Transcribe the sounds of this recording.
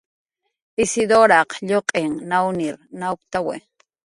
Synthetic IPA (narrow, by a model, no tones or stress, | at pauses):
ɪsɪd̪oɾɑqʎoqʼeŋnawnɪɾnawpt̪awḛ